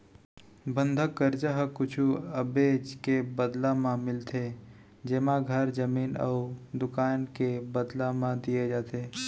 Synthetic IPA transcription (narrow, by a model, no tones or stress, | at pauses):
bə̃nd̪ʱəkːəɾd͡ʒəɦkʊt͡ʃʰuəbeːd͡ʒkebəd̪lãmãmɪlt̪ʰe | d͡ʒeːmãɡʱəɾd͡ʒəmiːnə̰ud̪ʊkaːnkebəd̪lãmãd̪ijed͡ʒaːt̪e